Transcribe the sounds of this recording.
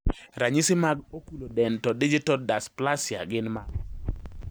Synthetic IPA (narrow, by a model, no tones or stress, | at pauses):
ɾaɲisɪmaɡokulodɛntɔdid͡ʒitɔdasplasɪa̰ɡɪnmaɡ